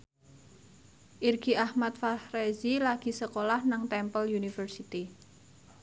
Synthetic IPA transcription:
ʔirɡ̥iʔahmat̪̚fahrezilaɡ̥i̤səkolahnaŋt̪ɛmpəljunifərsit̪i

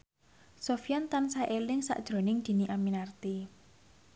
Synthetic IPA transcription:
sofijant̪ansaʔelɪŋsa̰ʔd̥ʒ̥ɾo̤nɪŋd̪̥i̤niʔaminart̪i

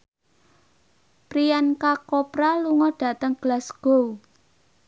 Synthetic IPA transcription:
pɾijankakopɾaluŋɔɖ̥ä̤t̪əŋɡ̥lasɡ̥o̤u

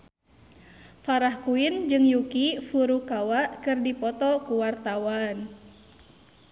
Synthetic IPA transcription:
faɾahkuind͡ʒɨŋjukifuɾukawaʔkɨrdipɔt̪ɔkuwart̪awan

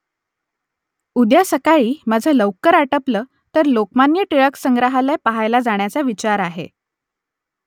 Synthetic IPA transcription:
ud̪jasəkaɭiːmad͡zʱələʋkəɾaʈəpləː | t̪əɾlokmanjəʈiɭəksəŋɡɾəɦalajpaɦajlad͡zaɳ̃jat͡saʋit͡ɕaɾaɦḛ

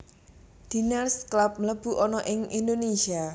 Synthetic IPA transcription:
d̪̥i̤narsklap̚mələb̥ṳʔɔnɔʔɪŋind̪onesia

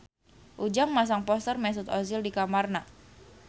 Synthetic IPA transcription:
ʔud͡ʒaŋmas̬aŋpɔst̪ərmɛs̬ʊt̪ɔzɪldikamarna

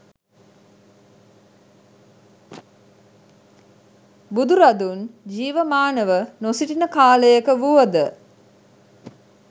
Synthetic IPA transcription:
bud̪uɾad̪und͡ʒiːʋəmaːnəʋənosiʈinəkaːləjəkəʋuʋəd̪ə

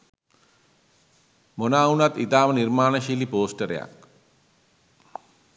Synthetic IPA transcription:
monaːunat̪it̪aːʋɐniɾmaːɳɐʃilipoːsʈɐɾja̰ːk̚

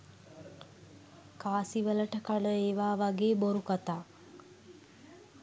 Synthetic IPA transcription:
kaːsiʋələʈəkaɖəeːʋaːʋaɡeːboɾukat̪aː

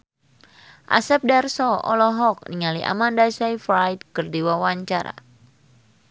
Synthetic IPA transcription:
ʔa̰sɛp̚darsɔɔ̰lɔɦɔk̚niŋaliʔa̰mandasajfɾajd̚kɨrdiwawaɲt͡ʃaɾa̰

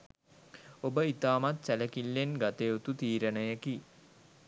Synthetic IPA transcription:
obəit̪aːmat̪sæləkilːenɡat̪eːut̪ut̪iːɾənəjəki

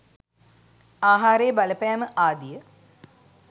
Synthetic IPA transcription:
aːɦaːɾejːbaləpajaməʔaːd̪ijə

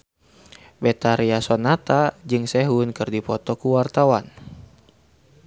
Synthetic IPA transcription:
bɛt̪aɾiasɔnat̪ad͡ʒɨŋsɛɦunkɨrdipɔt̪ɔkuwart̪awan

